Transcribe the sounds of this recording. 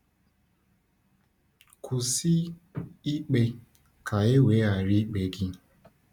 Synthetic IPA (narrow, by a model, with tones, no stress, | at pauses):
kʰu˨si˦i˦k͡pe˦ | kʰa˨e˦weː˨˦a˨ɾi˦k͡pe˨ɡɪ˦